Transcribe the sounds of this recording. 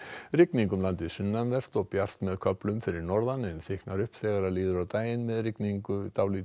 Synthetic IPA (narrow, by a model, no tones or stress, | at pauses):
rɪkniŋkʏmlant̪ɪðsʏnːanvɛr̥t̪ɔɣpjar̥t̪mɛðkʰœplʏmfɪɾɪɾnɔɾðanɛnθɪhknaɾʏhpθɛːɣaɾaliːðʏɾawt̪aːjɪnmɛðrɪkniŋkʏt̪aːwli